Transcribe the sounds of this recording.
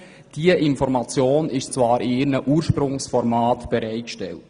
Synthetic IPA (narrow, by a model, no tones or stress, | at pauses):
d̥iəʔɪnfɔɾmɑt͡sjoːnɪʃt͡svɑːɾɪɪɾnəʔuːɾʃpɾʊŋsfɔɾmaːtb̥ɛɾɛɪt̚kʃtɛlt